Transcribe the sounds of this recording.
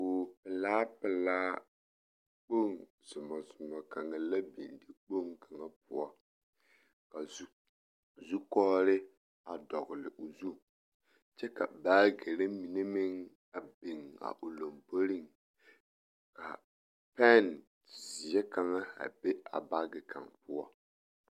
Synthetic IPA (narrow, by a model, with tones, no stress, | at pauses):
o˨pɪ˨laː˦pɪ˨laː˦ | k͡po˦ŋ | z̥ʊ˨mɔ˨zʊ˨mɔ˨ka˨ŋa˨la˦bḭ˨ndi˦k͡po˦ŋka˨ŋa˦pʊ̰˨ɔ˦ | ka˨˦ | zu˦kɔː˦ɾɪ˦ | a˨dɔ˨ɣʊ˨lɪ̰˨ʔo˨zu˦ | t͡ʃɛ˦ka̰˨baː˦ɡe˨ɾe˦mi˨ne˦mɪ˦ŋ | a˨bi˨ŋa̰˨ʔo˨lo˨mbo˦ɾi˦ŋ | ka̰˨ | pɛ˦n | zɪ˨ɛ˦ka˨ŋa˦a̰˨be˦a̰˨ba˦ɡɪ˨ka̰˨ŋpʊ˦ɔ̰˦